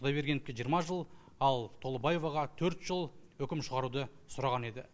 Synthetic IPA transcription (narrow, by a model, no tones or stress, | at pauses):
ʊd̪ɑjbe̞ɾɡʲeɪpkʲeʒijəɾmɑʒəlˠ | ɑlˠt̪ʰo̞lˠəbɑje̞vɑʁɑt̪ʰɵɾt̪ʒəlˠwɵkʲɪmʃəʁɑɾud̪ə | sʊɾɑʁɑne̞d̪ɪ